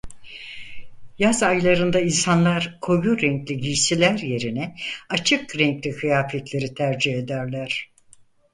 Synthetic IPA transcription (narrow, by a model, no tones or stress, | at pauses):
jazajlˠaɾɯnd̪ainsanlˠaɾkʰo̞juɾɛɲclʲiɟiʃsilʲæɾje̞ɾinɛat͡ʃʰɯkɾɛɲclʲikʰɯjaːfɛt̪lʲe̞ɾit̪ʰæɾd͡ʒihe̞d̪æɾlʲæɾ̥